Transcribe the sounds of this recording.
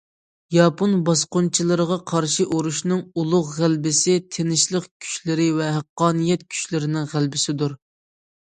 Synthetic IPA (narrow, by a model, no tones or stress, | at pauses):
jɑponbɑsqʊnt͡ʃʰilˠɨɾəʁɑqʰɑɾʃiʔuɾuʃnɨŋulˠʊʁʁælbɪsɪt̪ʰenɪʃlˠəqkʲʰy̥ʃlɪɾɪvɛɦæqːɑːnijɛt̪̚kʲʰy̥ʃlɪɾɪnɪŋʁælbɪsɪd̪uɾ